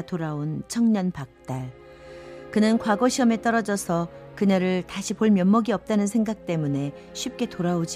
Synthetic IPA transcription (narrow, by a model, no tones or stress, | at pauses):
toɾaont͡ɕʰʌŋɲʌnpak̚t͈aɭ | kɯnɯnkwaɡoɕʰiʌme̞t͈ʌɾʌd͡ʑʌsʰʌkɯnaɾɯɭtaɕʰipoɭmjʌmːʌɡiʌp̚t͈anɯnsʰe̞ŋɡak̚t͈e̞mune̞ | ɕʰɥip̚k͈e̞toɾaod͡ʑi